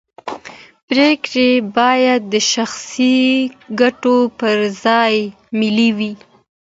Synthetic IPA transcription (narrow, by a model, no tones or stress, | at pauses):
bɾekɾebɑjad̪̚ːəʃaxsiɡaʈopəɾzɑj | mɪliwi